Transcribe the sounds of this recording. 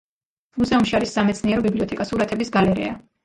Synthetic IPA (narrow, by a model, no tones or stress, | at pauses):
muzɛumʃiaɾisːamɛt̪sʰniɛɾɔbibliɔt̪ʰɛkʼasuɾat̪ʰɛbisɡalɛɾɛ̰a